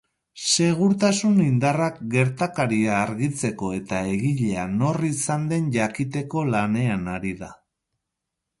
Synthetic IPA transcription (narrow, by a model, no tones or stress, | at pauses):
se̞ɣ̞uɾt̪asunind̪arak̚ɡe̞ɾt̪akaɾiaːɾɣit͡se̞ko̞e̞t̪ae̞ɣiʎe̞ano̞risand̪e̞nʎakit̪e̞ko̞lane̞anaɾiða